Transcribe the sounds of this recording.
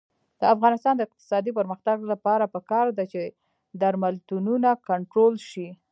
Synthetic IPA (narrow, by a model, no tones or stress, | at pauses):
d̪̥əafɣɑnɪst̪ɑnd̪əɪq̚t̪ɪ̥sɑd̪ipəɾməxt̪aɡlapɑɾapəkɑɾd̪at͡ʃe | d̪aɾmalt̪ununakaɳʈɾolʃi